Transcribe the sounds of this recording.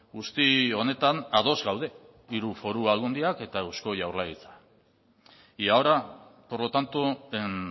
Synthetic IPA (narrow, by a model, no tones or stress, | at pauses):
ɡust̪io̞ne̞t̪anað̞o̞zɡawðe̞ | iɾufo̞ɾuaɣund̪iake̞t̪aewsko̞ʝawɾlajit͡sḁ | iaoɾapo̞ɾlo̞t̪ant̪uen